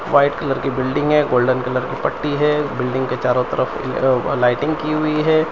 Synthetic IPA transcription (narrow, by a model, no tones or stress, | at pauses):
ʋaːɪʈkɐləɾkibɪlɖɪ̃ŋɡɦɛːɡoːlɖənkɐləɾkipɐʈːiɦɛːbɪlɖɪ̃ŋɡket͡ʃaːɾõt̪ɐ̰ɾʔəfʰlaːɪʈɪ̃ŋɡkiɦʊiɦɛː